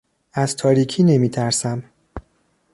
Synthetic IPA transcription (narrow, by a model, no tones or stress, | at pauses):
æzt̪ʰɒːɾiːcʰiːne̞miːt̪ʰæɾsæm